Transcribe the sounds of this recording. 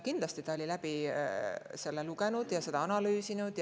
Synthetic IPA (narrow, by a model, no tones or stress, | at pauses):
kind̪lɑst̪it̪ɑolʲilæb̥i | se̞lːeluɡenud̪̥jɑse̞d̪ɑɑnɑlyːsinud̪̥j